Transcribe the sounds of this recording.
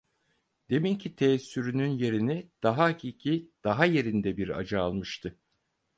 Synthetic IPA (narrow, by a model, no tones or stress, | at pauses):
d̪̥e̞mincʰit̪ʰeːsːyɾynynje̞ɾinid̪̥aɦaacʰiːcʰid̪̥aɦaje̞ɾind̪ɛbiɾa̰d͡ʒaːlˠmɯʃt̪ʰɯ